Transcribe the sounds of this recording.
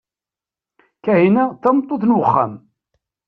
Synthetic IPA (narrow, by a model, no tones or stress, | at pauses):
kæhinæθɑmt̪ˤːoθnwəχːa̰m